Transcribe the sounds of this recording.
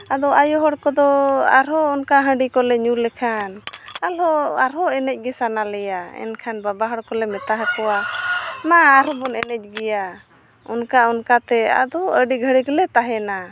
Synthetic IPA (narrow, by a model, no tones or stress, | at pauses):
ad̪ɔʔajɔɦɔɽkɔd̪ɔaɾɔːnkaɦə̃ɖikɔlɛɲulɛkʰanalɔaɾɦɔɛnɛc̚ɡɛsanalɛjaɛ̰nkʰanbabaɦɔɽkɔlɛmɛt̪aɦakɔwamaːɾɔbɔnɛnɛc̚ˀɡɛja | ɔnkaɔnkat̪ɛa̰d̪ɔʔəɖiɡʱəɽiɡlɛt̪aɦɛna